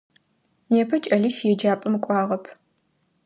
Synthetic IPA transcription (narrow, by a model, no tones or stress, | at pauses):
neːpʰɐt͡ʃʼɐɮiʃjɛd͡ʒaːpʼɨmkʷʼɑːʁɐpʰ